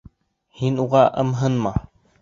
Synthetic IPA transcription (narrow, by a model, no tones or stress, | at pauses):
hinuʁɑʔɤ̰mɦɤnmɑ